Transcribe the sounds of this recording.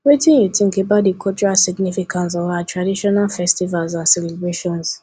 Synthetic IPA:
wetĩnjutĩŋkebaʊt̚dikʰɔt͡ʃɹasiɡnifikʰãnts̬ɔvaatʰɹadiʃɔnalfɛstivalzãnsɛlɛbɹeʃɔ̃ns

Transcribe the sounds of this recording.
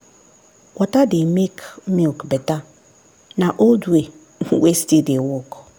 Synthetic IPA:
wʔɔtadɪmekʰmĩlkbɛta | nãʔoldue | wɛstedɪwɔk

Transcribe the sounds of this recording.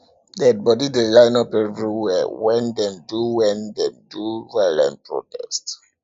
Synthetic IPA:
dɛt̚bɔdidelãjnɔpɛvɹiwɛwɛ̃ndɛ̃mduwɛ̃ndɛ̃mduɹɛlɛ̰̃npɹɔ̰tɛ̰st

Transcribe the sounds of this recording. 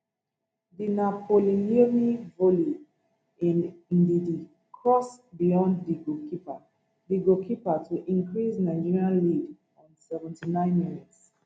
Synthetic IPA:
ðinapʰoliniomivoli | ĩnĩndidi | kʰɹɔsbijɔ̃ndːiɡokʰipa | diɡokʰipatʰuʔĩŋkɹisnaɪd͡ʒiɹiãnlid | ɔ̃nsɛvɛ̃ntinãɪ̃nminits

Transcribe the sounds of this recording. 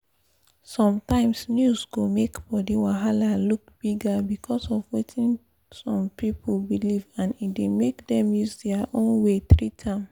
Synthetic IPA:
sɔ̃mtãɪ̃msnjuzɡomekbɔdiwaɦalalukb̥iɡabikʰɔsɔvwetĩn | sɔ̃mpipʰolbilivãnitdemekdɛ̃mjuzdɛaʔõnweθɹitʰãm

